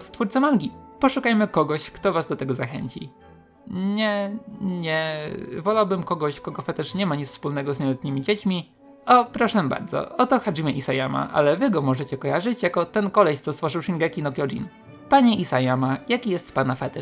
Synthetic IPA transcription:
ft̪fuɾt̪sɛmalɡʲipɔʂukajmɘkɔɡɔɕkt̪ɔvazd̪ɔt̪ɛɡɔzaxɛ̰ɲt͡ɕḭ | ɲɛɲɛvɔlawbɘmkɔɡɔɕkɔɡɔfɛt̪ɛʂɲɛmaɲifspulnɛɡɔzɲɛlɛt̪ɲimʲid͡ʑet͡ɕmʲi | ɔpɾɔʂɛba̰ɾd̪zɔ̰ɔt̪ɔxaʐimʲɛʔisajama̰ʔa̰lɛvɘɡɔmɔʐɛt͡ɕɛkɔjaʐɘt͡ɕjakɔt̪ɛnkɔlɛɕt̪sɔst̪fɔʐɘwʂiŋɡɛkʲinɔkjɔd͡ʑḭn | paɲɛʔisajamajakʲijɛst̪panafɛt̪ɛ

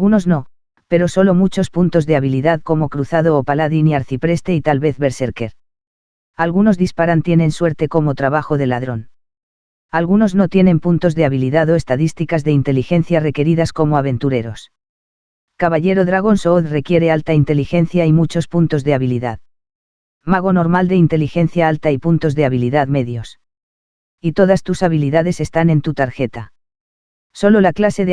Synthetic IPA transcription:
ɣuno̞zno̞ | pe̞ɾo̞so̞lo̞mut͡ʃo̞spunt̪o̞zðeaβiliðaðko̞mo̞kɾuθað̞oːpalaðiniaɾθipɾe̞st̪e̞it̪alβe̞θβe̞ɾse̞ɾke̞ɾ | alɣuno̞zðispaɾant̪je̞nẽ̞nswe̞ɾt̪e̞ko̞mo̞t̪ɾaβaxo̞ðe̞laðɾo̞n | alɣuno̞zno̞t̪je̞nẽ̞mpunt̪o̞zðe̞aβiliðaðo̞e̞st̪aðist̪ikazðe̞int̪e̞lixe̞n̟θjare̞ke̞ɾiðasko̞mo̞aβ̞ẽ̞nt̪uɾe̞ɾo̞s | kaβaʎe̞ɾo̞ðɾaɣ̞o̞nsoðre̞kje̞ɾe̞alt̪aint̪e̞lixe̞nθjaimut͡ʃo̞spunt̪o̞zðe̞aβiliðað | maɣ̞o̞no̞ɾmald̪e̞int̪e̞lixe̞nθjaalt̪aipunt̪o̞zðe̞aβ̞iliðaðme̞ðjo̞s | it̪o̞ðast̪usaβ̞iliðaðe̞se̞st̪anẽ̞nt̪ut̪aɾxe̞t̪a | so̞lo̞laklase̞ð

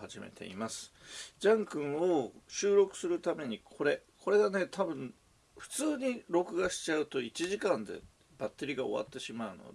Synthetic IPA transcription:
haʑime̞̰t̪ʰe̞̰ḭmasɨ̥d͡ʑãŋkɯ̟̃ɰ̃o̞ɕɨːɾo̞kɯ̟̥sɨɾɯ̟t̪ame̞ɲ̟ikʰo̞ɾe̞kʰo̞ɾe̞ɡane̞t̪ʰabɯ̟̃ɴ̃ | ɸɯ̟̥t͡sɨːɲ̟iɾo̞kɯ̟ɡaɕi̥t͡ɕaɯ̟t̪o̞it͡ɕiʑikãnd̪e̞̰ | bat̪ːe̞ɾʲiɡao̞̰βa̰t̪ːe̞ɕimaɯ̟no̞̰d̪e

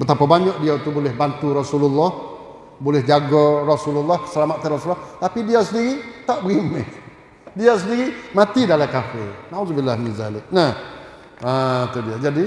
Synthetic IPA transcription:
bət̪apabaɲɔʔ̚diawt̪ubolɛhbant̪urɔsululːɔh | bolɛhd͡ʒaɡɔrɔsululːɔhə̥səlamat̪t̪ːarɔsulːɔht̪apidiasəndiɾit̪aʔbəɣime | dias̬əndiɾimat̪idalakafɪnauzbilːahnizalɪʔnah | at̪udiad͡ʒadi

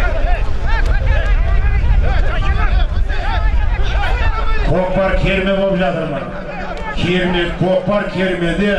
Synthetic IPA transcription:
kʰoq̚pɑɾkʲʰeɾmebolˠəpʒɑt̪əɾmən | kʲʰeɾmekʰoq̚pːɑɾkʲʰeɾmed̪e

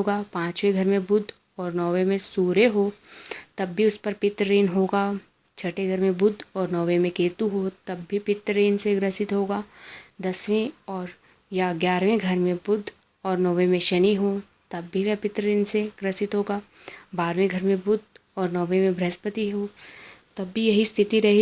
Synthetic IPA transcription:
oːɡaːpãːt͡ʃʋẽɡʱɐɾmẽbʊd̪ʱ | ɔːɾnɔːʋẽmẽsuːɾeɦoːt̪ɐbːʱiʊspɐɾpɪt̪ɾəɾeːnɦoːɡaː | t͡ʃʰɐʈeɡʱɐɾmẽbʊd̪ʱɔːɾnɔːʋẽmẽkeːt̪uɦot̪ɐbːʱipɪt̪ɾəɾeːnseɡɾəsɪt̪ɦoːɡaːd̪ɐswẽɔːɾ | jaɡjaːɾʋẽɡʱɐɾmẽbʊd̪ʱ | ɔːɾnɔːʋemẽʃɐniɦoː | t̪ɐbːʱiʋɛɦpɪt̪ɾəɾeːnseɡ̥ɾəsɪt̪ɦoːɡaːbaːɾʋẽɡʱɐɾmẽbʊd̪ʱɔːɾnɔːʋemẽbʱɾɛspət̪iɦoːt̪ɐbːʱijɐɦist̪ʰɪt̪iɾɐɦe

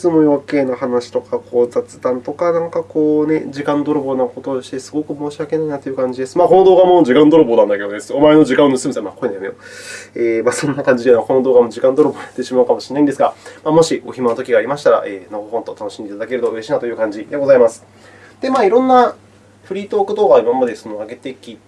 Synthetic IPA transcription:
it͡sɨmo̞jo̞ːke̞ːnahanaɕi̥t̪o̞kakʰo̞ːzat͡sɨ̥d̪ãnt̪o̞kanãŋkako̞ːne̞d͡ʑikãnd̪o̞ɾobo̞nako̞t̪o̞ɕi̥t̪e̞sɨ̥ɡo̞kɯ̟mo̞ːɕiake̞nainat̪ojɯ̟kãɲ̟d͡ʑid̪e̞sɨ̥maːko̞no̞d̪o̞ːɡamo̞d͡ʑikãnd̪o̞ɾobo̞ːd̪ãnd̪ake̞d̪od̪esɨo̞mae̞no̞d͡ʑikãnːosɨmesemakoinjmeo̰eːmasõ̞nːakãɲ̟d͡ʑid̪enoako̞no̞d̪o̞ːɡamo̞d͡ʑikãnd̪o̞ɾoboːjat̪ːeɕimaɯ̟kamo̞ɕinaĩnd̪esɨɡamaːmo̞ɕio̞çimanot̪okʲiɡaːɾʲimaɕi̥t̪aɾa̰ʔeːnoɡoɦõ̞nt̪o̞t̪ano̞ɕimid̪et̪ad̪akeɾɯ̟t̪o̞ɾe̞ɕiːnat̪o̞jɯ̟kãɲ̟d͡ʑid̪e̞ɡo̞zaimasɨ̥ | d̪̥e̞maːiɾõ̞nːa | ɸɯ̟ɾʲiːt̪oːkɯ̟d̪o̞ːɡaimamad̪e̞sonoaɡe̞t̪ekʲːi

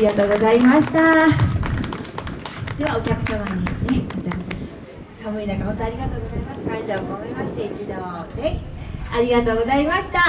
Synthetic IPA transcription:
iɡat̪o̞ːɡo̞zaimaɕi̥t̪a | d̪̥e̞βao̞kʲakɯ̟samaɲ̟ine̞mat̪a | samɯ̟inakamot̪aːɾʲiɡat̪o̞ːɡo̞zaimasɨ̥kaĩɕaookomaɾʲimaɕi̥t̪e̞it͡ɕid̪oːneaɾʲiɡat̪o̞ːɡo̞zaimaɕi̥t̪a

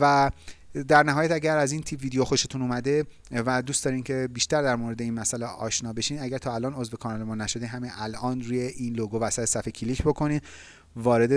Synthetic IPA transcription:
væ | d̪æɾnæɦɒːjæt̪æɟæɾæziːnt̪ʰibviːd̪ejoxo̞ʃet̪ʰunuːmæd̪e̞ | væd̪uːst̪d̪ɒːɾiːmcʰe̞biːʃt̪æɾd̪æɾmoɾe̞d̪e̞inmæsæleʔɒ̰ːʃnɒːbe̞ʃiːnæɟæɾt̪ʰɒːælɒːno̞zve̞kʰɒnɒlemɒːnæʃo̞d̪iɦæmiʔælʔɒːnɾuːje̞ʔiːnloɡovæsæt̪ʰesæfecʰilicbo̞kʰo̞niː | vɒːɾe̞d̪e

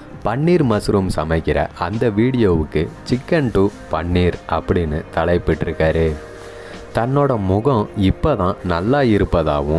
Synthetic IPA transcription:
pɐɳːiːɾmɐsɾumsɐmɐɪkːɪɾɐ̰ʔɐnd̪ɐʋiːɽɪjoːʋɯkːɯt͡ʃɪkːɐɳʈuːpɐɳːiːɾʔɐpːɐɽɪnːɯt̪ɐɭɐɪpːɪʈːɪɾɯkːaːɾeː | t̪ɐnːoːɽɐmʊɣɐ̃ɪpːoːðãːnɐlːaːɪɾɯpːɐða̰ːʋʊ̃

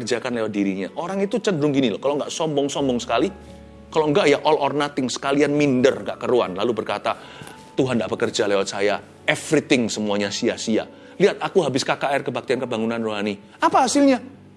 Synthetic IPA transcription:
rd͡ʒakanlewat̪̚diɾiɲa̰ʔoɾaŋit̪ut͡ʃədɾʊŋɡinilɔhkalowŋɡaʔsɔmbɔŋsɔmbɔŋsə̥kali | kaloŋɡaʔjaʔɔlɔrnat̪ɪŋsə̥kalianmindərŋɡaʔkəɾua̰nlalubərkat̪a | t̪uɦandaʔbəkərd͡ʒalewat̪̚saja | ɛfɾit̪ɪŋsəmuaɲasiasia̰ | liat̪̚akuɦabɪskakaɛrkəbak̚t̪iankəbaŋunanroɦani | apaɦasɪlɲa

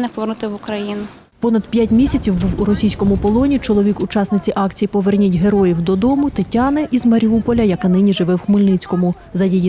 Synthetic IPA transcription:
nɪpɔʋernʊt̪ɪʋʊkɾɐjinʊ | pɔnɐd̪̥pʲjatʲmʲisʲɐt͡sʲiwbuwuɾɔsʲijsʲkɔmʊpɔlˠɔnʲit͡ʃɔlˠɔʋʲikut͡ʃɑsnɪt͡sʲiʔɑkt͡sʲijipɔʋernʲitʲɦeɾɔjiwd̪ɔd̪ɔmʊt̪ɪtʲɑnɪʔizmɐɾʲiupɔlʲɐjɐkɪnɪnʲiʒɪʋɪwxmɪlʲnɪt͡sʲkɔmʊ | zɐjiji

